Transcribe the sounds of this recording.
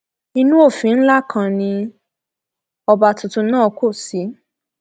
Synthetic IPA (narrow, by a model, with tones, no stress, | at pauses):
i˧nũ˦o˦˨fĩ˨˦n̩˦la˦kʰã˧nĩ˧ | ɔ˧ba˧tu˨tũ˧nãː˦˨ko˦˨si˨˦